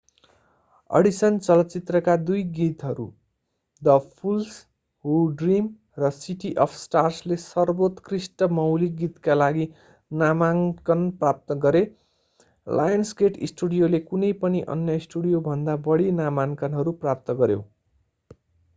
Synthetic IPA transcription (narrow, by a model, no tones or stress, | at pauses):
ʌ̰ɽisʌnt͡sʌlʌtt͡sit̪rʌkad̪ujɡit̪ɦʌɾṵ | d̪ʌpʰuls | huɖrim | rʌsiʈiʔʌpʰsʈarslesʌrbot̪krisʈʌmʌwliɡit̪kalaɡi | namankʌnprap̚t̪ʌɡʌɾe | lʔa̰jʌnsɡeʈisʈuɽijolekunʌjpʌniʔʌ̰njʌisʈuɽijobʱʌnd̪abʌɽinamankʌnɦʌɾuprap̚t̪ʌɡʌɾjo̰